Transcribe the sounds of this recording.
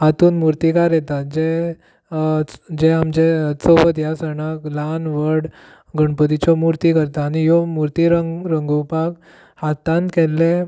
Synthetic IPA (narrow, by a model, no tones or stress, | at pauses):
ɦat̪uːnmuɾt̪ikaɾjɛt̪at̪̚d͡ʑe | d͡ʑeamd͡ʑesobət̪jasəɳaklanʋəɽ | ɡəɳpət̪̬it͡ɕɔmuɾt̪ikəɾt̪aːñijɔmuɾt̪iɾəɾəŋɡuwpak | hat̪ãnt̪kɛlːe